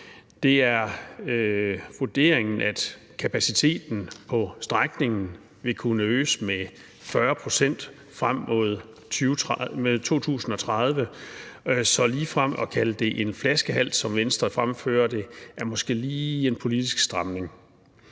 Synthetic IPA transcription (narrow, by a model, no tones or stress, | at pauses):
d̥e̝æɐøʋuɐd̥e̝ɐ̰eŋn̩æd̥ | kʰæpʰæsit͡sʰe̝̰ːd̥n̩pʰɒ̽sd̥ʁaɡ̥ne̝ŋn̩ | ʋe̝kʰunəøːsəme | fɶɐpʰʁo̝sen̰d̥ | fʁam̰ːo̝ð̞ˠ | t͡sʰyːʊʁmeðˠt͡sʰo̝̰ːt͡sʰṵːsn̩ɒ̽t͡sʰʁað̞ˠʋə | sɒ̽liːfʁam̰ɒ̽kʰæləd̥e̝ʔe̝nflæsɡ̥əɦæl̰sɒ̽mʋensd̥ʁɐfʁamfø̰ːɐd̥e̝ʔæɐmɒ̽sɡ̥e̝̰ːliːe̝npʰo̝lid̥isɡ̥sd̥ʁamne̝ŋ